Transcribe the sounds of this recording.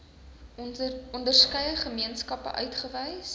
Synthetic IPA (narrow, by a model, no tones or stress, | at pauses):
ɔndərskəjəχəmiənskɐpə̰ʔœ̰ɥtχəvɛjs